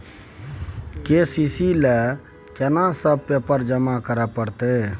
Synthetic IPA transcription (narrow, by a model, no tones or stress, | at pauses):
kesisile | kenasəb̚pepəɾd͡ʒəmakəɾəpəɽt̪e